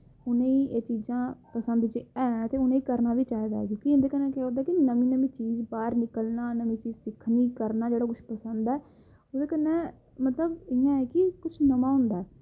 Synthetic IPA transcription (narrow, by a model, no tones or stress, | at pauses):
ʊnẽːiːʔeːt͡ʃiːzãːpəsənd̪t͡ʃeɛ̃ːt̪eːʊnẽːikəɾnaːʋiːt͡ʃaːɦiːd̪a̰ːɛkjõːkiɪ̃nd̪eːkənːɛ̃ːkːoːd̪aːkɪnəmĩːnəmĩːt͡ʃiːzbaːɾnɪkəlnaːnəmĩːt͡ʃiːd͡ʒsɪkʰniːkəɾnaːd͡ʒeːɽaːkʊt͡ʃʰpəsənd̪ɛː | oːd̪eːkənːɛ̃ː | mət̪ləbɪjãːɛːkɪkʊt͡ʃʰnəmaːɦʊ̃nd̪aːɛː